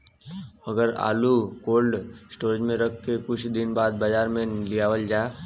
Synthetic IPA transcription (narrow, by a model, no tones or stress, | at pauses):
əɡəɾa̰ːlukoːlɖsʈoːɾd͡ʒmẽɾəkʰkːekʊt͡ʃʰd̪ɪnbaːd̪̚bəd͡ʒaːɾmẽlijaːʋəld͡ʒaː